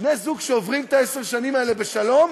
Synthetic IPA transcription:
nezuɡʃeovʁimt̪aeseʁʃanimaele̞beʃalo̞m

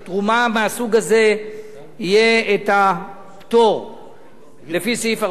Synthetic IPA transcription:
tʁumameasuɡaze̞ | ijeeta | pto̞ʁ | lefisiifa

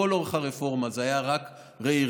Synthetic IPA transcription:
olo̞ʁeχaʁefo̞ʁmazeajaʁak | ʁei

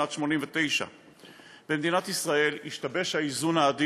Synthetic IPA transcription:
at̪ʃmo̞nimvet̪e̞jʃa̰ | b̥emed̪inat̪isʁae̞liʃtabe̞ʃhaizunaːd̪i

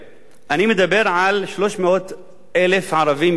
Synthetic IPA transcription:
ʔanimɪd̪abːɪɾʕalʃloːʃmɪʔoːt̪ | ʔalɪfʕɑɾˤɑviːm

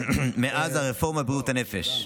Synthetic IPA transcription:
meʔazaʁefo̞ʁmabʁiutanefeʃ

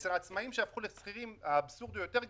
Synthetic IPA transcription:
sʁaːt͡smaimʃeafχulesχiʁimabsuʁd̪ojo̞t̪eʁ

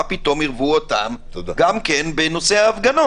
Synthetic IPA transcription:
apit̪o̞miʁvuot̪amt̪aɡamkenbeno̞seaːfɡano

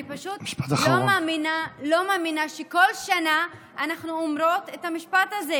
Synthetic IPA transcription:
ipaʃutiʃpat̪aχlomaːminalo̞maːminaʃeko̞lʃana | anaχnuomɾo̞tethamiʃpataze

